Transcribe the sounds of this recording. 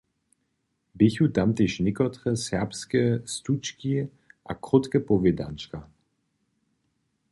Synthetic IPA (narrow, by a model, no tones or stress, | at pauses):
bɪçutamt̪eʃnɪkɔtʁəsɛpskəst̪ut͡ʃki | ʔa̰kʁʊtkəpɔveda̰nt͡ʃka